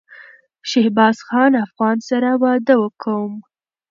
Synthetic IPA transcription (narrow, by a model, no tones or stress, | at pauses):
ʃehbɑsxɑnafɣɑnsaɾawɑd̪əwəkʰawəm